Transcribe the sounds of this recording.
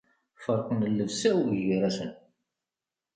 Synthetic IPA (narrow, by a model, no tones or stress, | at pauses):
fəɾˤqənəlːəvsæwiʝiɾæsən